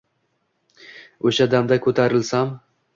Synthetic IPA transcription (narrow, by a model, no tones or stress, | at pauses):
oʃad̪amd̪akʰɵt̪ʰaɾɪlsam